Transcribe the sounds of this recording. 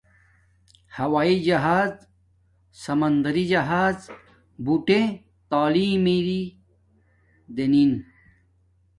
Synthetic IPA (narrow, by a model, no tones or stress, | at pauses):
hɐwaːid͡ʑɐɦaːz | sɐmɐnd̪ɐɾid͡ʑɐɦaːz | buʈe | t̪aːliːmiɾi | d̪enin